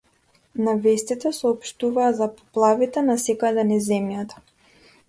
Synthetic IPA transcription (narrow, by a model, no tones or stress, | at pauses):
navɛst̪it̪ɛsɔːpʃt̪uvaːzapɔ̥plˠavit̪ɛnasɛkad̪ɛnizɛmjat̪ḁ